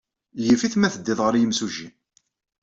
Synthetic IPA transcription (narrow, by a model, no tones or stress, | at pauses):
jəfiθmæθəd̪ːɪðˤʁəɾjəmsuʒi